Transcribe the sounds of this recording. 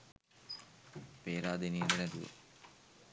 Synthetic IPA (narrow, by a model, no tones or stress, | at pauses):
peːɾaːd̪eniːndənɛt̪uʋə̰